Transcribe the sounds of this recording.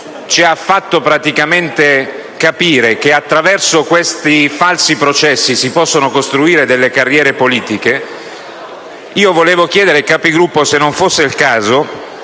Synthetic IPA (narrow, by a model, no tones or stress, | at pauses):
t͡ʃiafːat̪ːopɾat̪ikament̪e | kapiːɾekeat̪ːɾavɛrsokwest̪ifalsipɾot͡ʃɛsːisipɔsːonokost̪ɾuiːɾed̪elːekarːjɛːɾepoliːt̪ike | iːovoleːvok̟jɛːd̪eɾekaːpiɡɾupːosenːoɱfosːeilkaːzo